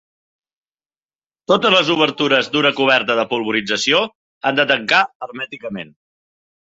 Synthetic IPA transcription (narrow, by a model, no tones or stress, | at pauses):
t̪ot̪əzləzuβ̞əɾt̪uɾəzd̪unəkuβ̞ɛɾt̪əðəpulˠβuɾid͡zəsio | and̪ət̪əŋkaərmɛt̪ikəmen